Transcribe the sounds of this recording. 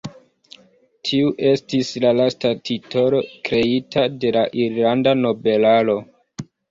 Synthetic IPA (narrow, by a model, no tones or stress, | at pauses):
tʰiuʔe̞stislalastatʰito̞lo̞kɾe̞itʰade̞laʔiɾlandano̞be̞lalo̞